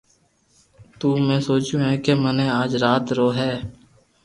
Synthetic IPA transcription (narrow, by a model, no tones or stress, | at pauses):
t̪uːmɛ̃ːsoːt͡ʃũːɦɛ̃ːkemənẽːaːd͡ʒɾaːt̪ɾoːɦɛː